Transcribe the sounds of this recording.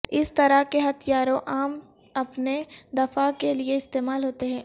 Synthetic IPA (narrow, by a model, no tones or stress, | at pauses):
ɪst̪ɐɾakeɦɐt̪ʰijaːɾõʔaːm | ɐpned̪ɐfakelieɪst̪eːmaːlɦoːt̪eɦɛ̃ː